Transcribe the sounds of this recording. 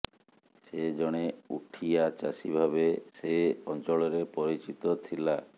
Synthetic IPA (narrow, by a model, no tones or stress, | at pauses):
sed͡ʒɔɽ̃euʈʰijat͡ʃasibʱabeseɔnt͡ʃɔɭɔɾepɔɾit͡ʃit̪ɔt̪ʰila